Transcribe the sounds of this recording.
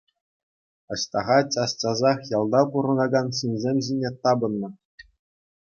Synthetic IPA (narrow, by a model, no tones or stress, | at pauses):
ɤ̆ɕt̪ɑʁɑtʲɑst͡ɕɑzɑχjɑlˠd̪ɑpuɾɤ̆nɑɡɑnɕɯnʲzʲemʲʑinʲet̪ɑbɤ̆nːɤ̆